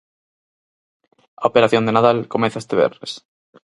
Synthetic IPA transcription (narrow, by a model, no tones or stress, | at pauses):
aopeɾaθjond̪enaðalkomẽ̟θaest̪eβ̞ḛɾnes